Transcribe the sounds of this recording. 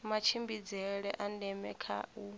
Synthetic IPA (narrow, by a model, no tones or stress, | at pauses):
mat͡ʃʰimbid͡zɛɺɛʔandɛmɛ̰kʰa̰ʔu